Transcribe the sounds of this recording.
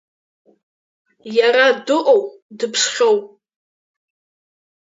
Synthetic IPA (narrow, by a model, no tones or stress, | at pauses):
jaɾadɨʔʼowdɨpʰʂχʲowp